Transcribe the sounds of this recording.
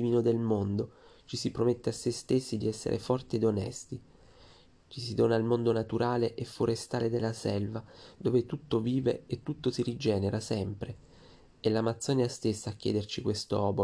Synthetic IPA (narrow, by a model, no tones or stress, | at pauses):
imiːnod̪elmond̪ot͡ʃisipɾomet̪ːeasːest̪esːid̪iɛsːḛɾʔḛfɔrt̪eːd̪onɛ̰st̪i | t͡ʃisid̪oːnailmond̪onat̪uɾaːleʔefːoɾest̪aːled̪elːasɛlvad̪oːvet̪ut̪ːoviːvḛet̪ːut̪ːosiɾid͡ʒɛːneɾasɛmpɾe | elːamat̪sːɔːneast̪esːaːkʲːɛ̰ːd̪ert͡ʃikwest̪oɔːbo